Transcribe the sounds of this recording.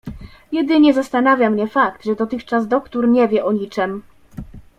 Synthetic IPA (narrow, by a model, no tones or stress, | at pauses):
jɛd̪ɘɲɛzast̪anavʲjamɲɛfakt̪ʐɛd̪ɔt̪ɘxt͡ʂazd̪ɔkt̪uɾɲɛvʲjɛʔɔɲit͡ʂɛm